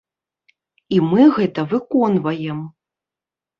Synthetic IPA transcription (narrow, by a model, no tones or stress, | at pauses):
imɨɣɛt̪ɐvɨkɔnvɐjɛm